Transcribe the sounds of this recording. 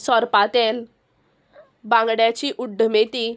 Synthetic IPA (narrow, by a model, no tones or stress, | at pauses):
sɔɾpat̪el | bãŋɡɽjat͡ɕiːʔuɖʱːəmet̪i